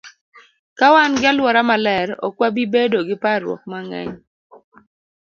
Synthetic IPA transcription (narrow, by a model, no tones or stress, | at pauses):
kawanɡɪalwɔɾamalɛɾo̰kwabibedoɡɪpaɾwɔ̰k̚maŋɛ̰ɲ